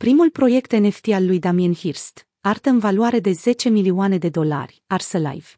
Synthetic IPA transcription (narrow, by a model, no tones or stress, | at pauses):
pɾimulpɾo̞je̞kt̪e̞ne̞ft̪ialːujd̪amianhirst̪ | art̪əɨnvaluaɾe̞d̪e̞ze̞t͡ʃe̞milioane̞d̪e̞d̪o̞la̰rʲarsəla̰jv